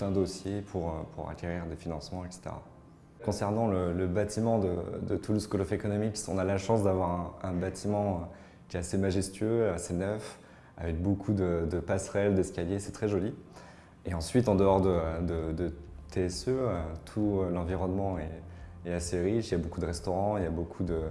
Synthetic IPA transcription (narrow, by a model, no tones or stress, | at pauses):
t̪ɛ̃d̪osjepʰuʁøpʰṵʁa̰kʲeʁiʁd̪efinɑ̃smɑ̃ɛkse̥t̪ḛʁa̰ | kɔ̃sɛʁnɑ̃lələbat̪ʰimɑ̃d̪ə̰d̪ət̪ʰuluskɔlɔfekɔnɔmiksɔ̰̃nalaʃɑ̃s̬d̪avwaʁɛ̃ɛ̃bat̪ʰimɑ̃ | kʲjɛt̪asemaʒɛst̪ɥøasenœf | a̰vɛk̚bokʰud̪əd̪əpasχɛld̪ɛskʲaljesɛt̪χɛʒɔli | eɑ̃sɥit̪ɑ̃d̪əɔʁd̪əd̪əd̪ət̪ʰeɛsøøt̪ʰulɑ̃viʁɔnmɑ̃eːaseʁiʃiljabokud̪əʁɛst̪ɔʁɑ̃iljabokʰud̪ə